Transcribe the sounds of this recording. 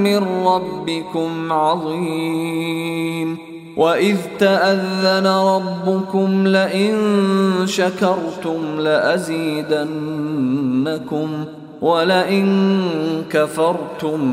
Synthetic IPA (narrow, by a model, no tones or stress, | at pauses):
mɪnɾɑbːɪkʊmʕɑðˤi | m | wʔaʔɪðt̪aʔaðːanaɾˤɑbːʊkʊmlaʔɪnʃakɑɾˤt̪ʊmlaʔaziːd̪anː | akʊm | walaʔɪn | kafɑɾˤt̪ʊm